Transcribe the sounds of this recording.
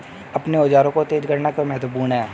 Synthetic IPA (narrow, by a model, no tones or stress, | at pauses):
ɐpneod͡ʒaːɾõkot̪eːd͡ʒɡəɾnakemɛɦt̪puːɾnɦɛː